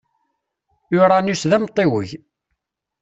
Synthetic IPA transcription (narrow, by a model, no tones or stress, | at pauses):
ʊɾˤɑnusðæmt̪ˤːewə̰ʝ